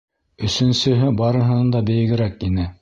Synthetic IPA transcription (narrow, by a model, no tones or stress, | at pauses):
ɵ̆sɵ̆nsɵ̆ɦɵbɑɾɤ̆ɦɤ̆nɤnd̪ɑbɘ̆jɘ̆ɡɘ̆ɾækinɘ